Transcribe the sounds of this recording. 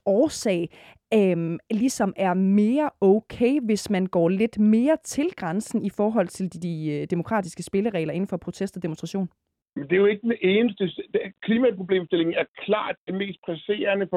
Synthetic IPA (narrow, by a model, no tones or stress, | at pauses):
ɒːsɛ̰ɪ | ømlisɒ̽mæɐme̝ːɐɔʊkʰḛːʋe̝smænɡ̥ɒ̰ːle̝d̥me̝ːɐt͡sʰe̝lɡ̥ʁansn̩ifɒːɦɒ̽l̰t͡sʰe̝ld̥d̥id̥e̝mo̝kʰʁɑ̰̈ːd̥isɡ̥əsb̥e̝ləʁɛ̰ːlɐe̝n̩fɒ̽pʰʁo̝t͡sʰesd̥ɒ̽d̥emonsd̥ʁɑɕo̝̰ːn | mend̥e̝jo̝e̝ɡ̥əd̥eeːnəsd̥ə̥kʰliːmæpʰʁo̝b̥le̝̰ːmsd̥e̝le̝ŋ̩æɐkʰlɑ̰̈ːd̥ːeme̝̰ːsd̥̚pʰʁæse̝̰ːɐnəf